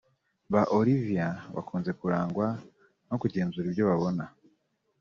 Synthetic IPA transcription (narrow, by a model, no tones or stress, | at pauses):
βaʔoɾivijaβa̰kuːnze̞kuɾaːŋɡwa | no̞kuɟeːnzuɾibjo̞βaβo̞na